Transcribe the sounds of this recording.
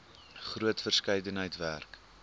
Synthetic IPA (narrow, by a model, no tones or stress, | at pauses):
χruətfərskɐjdənɦəjtværk